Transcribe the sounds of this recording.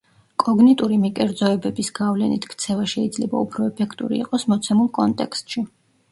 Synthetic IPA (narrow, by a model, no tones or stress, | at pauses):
kʼɔɡnɛt̪ʼuɾimikʼɛɾd̪zɔɛbɛbisɡavlɛnḭt̪ʰkʰt̪sʰɛvaʃɛid̪zlɛba̰upʰɾɔɛpʰɛkʰt̪ʼṵɾḭːqʼɔsmɔt̪sʰɛmulˠkʼɔnt̪ʼɛ̰kst̪ʼʃi